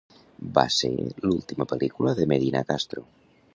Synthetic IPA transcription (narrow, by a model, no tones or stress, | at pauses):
ba̰sḛlult̪imapelʔikulaðemeðina̰kast̪ɾo